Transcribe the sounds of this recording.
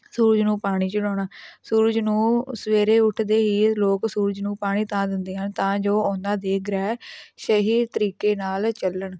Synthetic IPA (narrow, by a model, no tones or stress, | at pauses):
suːɾəd͡ʒnũːpaːɽ̃iːt͡ʃəɽɔːɽaːsuːɾəd͡ʒnũːsəʋeːɾeːʊʈʰd̪eːɦiːloːksuːɾəd͡ʒnũːpaːɽ̃iːt̪ãːd̪ɪnd̪eːɦənt̪ãːd͡ʒoːɔ̃ːnd̪ãːd̪eːkʰɾɛːʃəɦiːt̪əɾiːkeːnaːlt͡ʃəlːəɳ